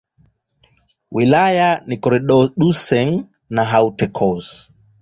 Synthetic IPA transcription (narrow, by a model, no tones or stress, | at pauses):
wilajanikɔɾɛɗɔɗusɛŋ | naɦawutɛkʰɔs